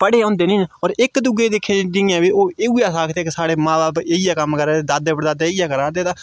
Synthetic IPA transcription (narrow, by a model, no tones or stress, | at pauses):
pəɽeːõːnd̪eːnĩːnɔːɾɪkd̪ʊɡeːd̪eːkʰːẽːd͡ʒɪãːʋiːoːeːuːaːsaːkʰt̪eːkɪsaːɽeːmãːbaːbeːiaːkəmkəɾaːed̪aːd̪eːpəɾd̪aːd̪eːijaːkəɾaːd̪eːt̪aː